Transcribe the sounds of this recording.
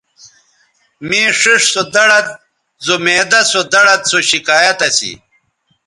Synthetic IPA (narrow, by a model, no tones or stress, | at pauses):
miːʂiʂsod̪ɐɽɐt̪̚ | zomeːd̪ɐsod̪ɐɽɐt̪̚soɕikaːjɐt̪ɐsḭ